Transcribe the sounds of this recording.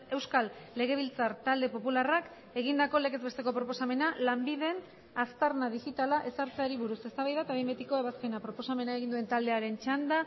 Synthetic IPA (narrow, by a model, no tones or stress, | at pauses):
e̞wskalːe̞ɣ̞e̞β̞ilt͡saɾt̪ald̪e̞po̞pularak | e̞ɣ̞ind̪ako̞le̞ke̞zβe̞st̪e̞ko̞pɾo̞po̞same̞nalambiðe̞n | ast̪arnað̞ixit̪alaʔe̞saɾt͡seaɾiβuɾuse̞st̪aβajðat̪aβembe̞t̪iko̞e̞βaspe̞napɾo̞po̞same̞naeɣind̪ue̞nt̪ald̪e̞aɾe̞nt͡ʃand̪a